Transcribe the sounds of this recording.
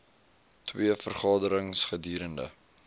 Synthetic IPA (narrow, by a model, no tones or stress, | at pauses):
twiəfərχɑːdəɾəŋsχədiːɾəndə̰